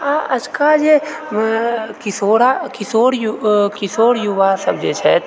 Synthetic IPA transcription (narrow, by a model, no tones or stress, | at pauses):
aʔɐd͡ʒkad͡ʒe | kɪsoːɽakɪsoːɽjukɪsoːɽjuʋasɐbd͡ʒet͡ʃʰɛ̰t̪